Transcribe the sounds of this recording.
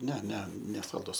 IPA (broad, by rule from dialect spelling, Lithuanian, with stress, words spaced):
nʲɛ nʲɛ nʲɛsɐlˠˈdʊs